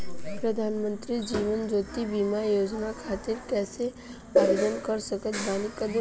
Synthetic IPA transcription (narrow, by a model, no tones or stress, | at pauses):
pɾəd̪ʱaːnmə̃nt̪ɾid͡ʒiːʋənd͡ʒoːt̪ibiːmajoːd͡ʒnakʰaːt̪ɪɾkɛːse | aːɾed̪ənkəɾsəkət̪baːnikːad̪